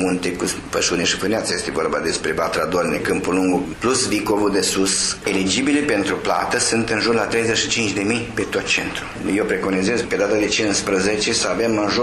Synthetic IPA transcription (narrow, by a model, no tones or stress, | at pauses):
munt̪ekuspəʃuneʃi̥fɨneat̪səje̞st̪evo̞rba̰d̪e̞spɾebat̪ɾad̪olnekɨmpuluŋɡuplusvikovud̪esuse̞lid͡ʒibilepe̞nt̪ɾupla̰t̪əsɨnt̪ɨnʒurlat̪ɾe̞jzet͡ʃʃit͡ʃint͡ʃd̪e̞mijpet̪ot̪̚t͡ʃe̞̰nt̪ɾu | jewpɾeko̞nizezpe̞d̪at̪ad̪et͡ʃinspɾəzet͡ʃesəavemaʒo